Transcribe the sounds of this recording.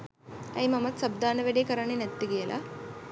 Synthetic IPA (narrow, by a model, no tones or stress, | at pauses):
ɐ̰jmɐmɐt̪sɐb̚d̪aːnɐʋeɽekɐɾaɳinet̪ːiɡijɐlʔa̰